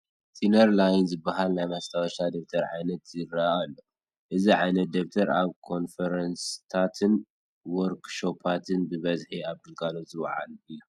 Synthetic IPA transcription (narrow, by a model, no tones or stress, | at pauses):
t̪ʰʼinɐɾlajnzɨbɐɦalnajmast̪ʰawʃad̪ok̚t̪ʰɐɾʕa̰jnɐt̪zɨɾaalːo̞ | ʔɨziʕajnɐt̪̚d̪ok̚t̪ʰɐɾaβkʰo̞nfɐɾɐnst̪ʰat̪ʰɨn | wɔɾkʃo̞pʰat̪ʰɨnbɨβɐzħiaβd̪ɨlkʰalozɨw̰ʕa̰lɨjːu